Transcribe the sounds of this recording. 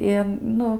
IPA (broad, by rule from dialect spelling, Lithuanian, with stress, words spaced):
ɪ ˈnʊ